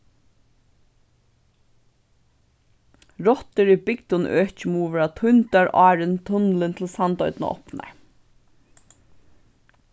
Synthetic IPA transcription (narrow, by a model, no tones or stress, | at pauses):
ɹɔt̪əɹibɪkt̪ʊnʔøːt͡ʃɪmuːʋəɹat̪ʰʊnt̪aɹʔɑːɹənt̪ʰʊnlənt̪ʰɪlsɑnt̪ɔʏd̪nə̰ʔɔ̰pna̰ɹ